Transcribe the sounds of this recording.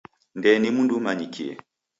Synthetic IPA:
ndɛnimundumaɲikʰiɛ̰

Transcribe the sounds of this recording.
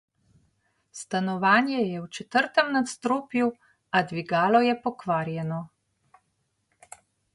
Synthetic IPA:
st̪anɔʋaːnjɛjɛwt͡ʃɛt̪əɾt̪əmnat̪st̪ɾoːpju | ad̪ʋiɡaːlɔjɛpɔkʋaːɾjɛnɔ

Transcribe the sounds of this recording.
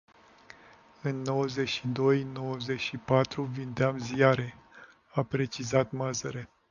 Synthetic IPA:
ɨnːo̞wəze̞ʃid̪o̞jno̞wəze̞ʃipat̪ɾuvind̪eamziaɾe̞ | apɾe̞t͡ʃizat̪mazəɾe

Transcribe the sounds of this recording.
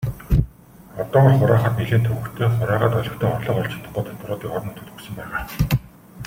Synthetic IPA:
ɔt̪ɔːɔ̆ɮχʊɾaːχaːt̪niɮeːnt̪ʰɵwɵ̆kt̪ʰeːχʊɾaːʁaːt̪ɔɮɞ̆kt̪ʰĕːŋɔrɮɞ̆qɔɮt͡ɕɪ̆t̪ʰːə̥̆χːɔːt̪ʰɔt̪rʊːt̪iːkɔɾɞ̆nɵt̪ɘ̆t̪ɵ̥ksɵ̆mpæːʁaː

